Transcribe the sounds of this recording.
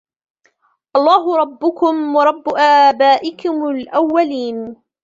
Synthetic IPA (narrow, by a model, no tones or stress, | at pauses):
ʔɑlˤːɑːɦʊɾˤɑbːʊkʊmwɑɾˤɑbːʊʔaːbaːʔɪkʊmʊlʔawːaliːn